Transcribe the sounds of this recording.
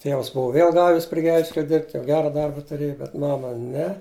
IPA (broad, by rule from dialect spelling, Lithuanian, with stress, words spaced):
ˈtʲeːws ˈbʊʋʊ ˈʋʲeːlˠ ˈɡɑːʋʲɪs pʲrʲɪ ˈɡʲɛlʲʃʲkʲɛlʲɛ ˈdʲɪrʲpʲtʲ jɛʊ ˈɡʲæːrɐ ˈdɐrbɐ tʊˈrʲeːjʊ bʲɛt ˈmɑːmɐ ˈnʲɛ